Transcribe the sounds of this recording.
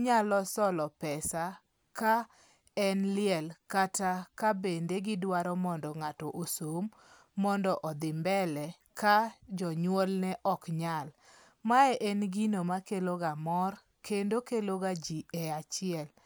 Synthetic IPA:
ɲalɔsɔlɔpɛsa | ka | ɛnlɪɛlkatakabendeɡɪdwaɾɔmɔndɔŋatɔʔosomː | ɔndɔʔɔd̪ɪmbɛlɛ | kad͡ʒɔɲwɔlnɛʔɔkɲal | maɛʔɛnɡinomakeloɡamɔr | kendokeloɡad͡ʒiɛat͡ʃɪɛl

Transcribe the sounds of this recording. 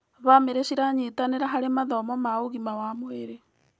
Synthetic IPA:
βameɾeʃiɾaɲitaneɾaɦaɾemaðɔmɔmaoɣimawamweɾe

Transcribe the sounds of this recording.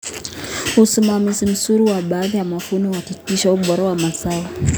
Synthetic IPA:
usimamizim̩suɾuwaɓaːðijamafunɔwatikiʃauɓɔɾawamasawa

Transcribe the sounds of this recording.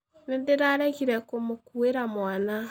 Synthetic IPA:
nendeɾaːɾɛɣiɾɛkomokueɾamwana

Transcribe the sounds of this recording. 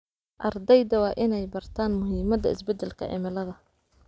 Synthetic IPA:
ʔɑrd̪ɛjd̪ɐwɑːʔɪnɛjbɐrt̪ʰaːnmʊɦiːmɐd̪ɐɪ̰sbɛd̪ɛlkʰɐ̰ʕɪ̰mɐlɐðɐ

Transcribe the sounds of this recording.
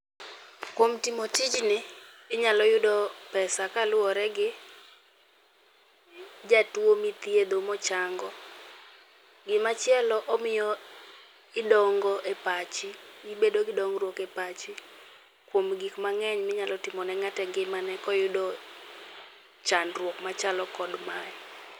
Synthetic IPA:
kwomtimotɪd͡ʒnɪ | ɪɲalɔjʊdɔpɛsakalʊwɔɾɛɡɪ | d͡ʒatwomit̪jed̪omɔt͡ʃaŋɡɔ | ɡɪmat͡ʃjɛlɔʔɔmɪjɔ | ɪdɔŋɡɔʔepat͡ʃiibedoɡɪdɔŋɡɾwɔkɛpat͡ʃɪ | kwomɡikmaŋɛɲmɪɲalɔtɪmɔnɛŋatɛɡɪmanɛkɔjʊdɔ | t͡ʃanrwɔkmat͡ʃalɔkɔdmaɛ

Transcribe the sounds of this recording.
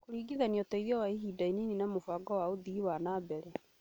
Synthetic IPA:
koɾiːɡiðaniɔtɔiðiɔwaiɦiːdaineninamofaɡɔwaoðiwanaːbɛɾɛ

